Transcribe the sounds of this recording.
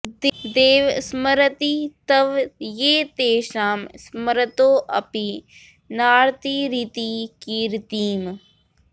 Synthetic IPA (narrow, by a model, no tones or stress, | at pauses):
d̪ɪkd̪eːʋsməɾət̪iːt̪əʋjeːt̪eːʃaːmsməɾət̪oːʔɐpi | naːɾt̪iɾiːt̪iːkiːɾt̪iːm